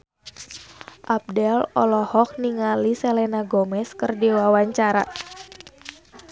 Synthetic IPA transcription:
ʔap̚dɛlɔlɔhɔk̚niŋalisɛlɛnaɡɔmɛskɨrdiwawaɲt͡ʃaɾa

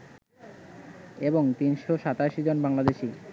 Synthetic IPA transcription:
eboŋt̪inʃoʃat̪aʃid͡ʑonbaŋlad̪eʃi

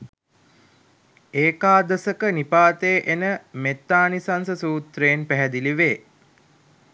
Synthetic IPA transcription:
eːkaːd̪əsəkənipaːt̪eːʔenəmet̪ːaːnisansəsuːt̪reːnpæɦɛd̪iliʋeː

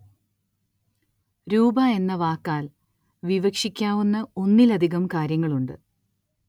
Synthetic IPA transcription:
ɾuːbɐe̞nːɐʋaːkːaːl | ʋiʋɐkʂikʲːaːʋunːɐo̞nːilɐd̪ʱiɣɐmkaːɾjɐŋːɐɭuɳɖɨ

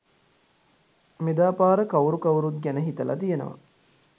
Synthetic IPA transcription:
med̪aːpaːɾəkɐwuɾukɐwuɾut̪̚ɡænəɦit̪əlʔa̰t̪ijənə̰ʋa̰

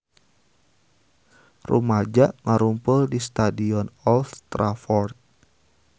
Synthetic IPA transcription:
rʔṵmad͡ʒaʔŋaɾumpʊldist̪adiɔnɔlft̪ɾafɔrt̪̚

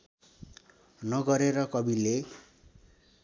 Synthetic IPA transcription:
nʌɡʌɾeɾʌkʌbile

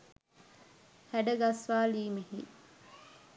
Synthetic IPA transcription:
hæɖɐɡɐsʋaːliːmehḭ

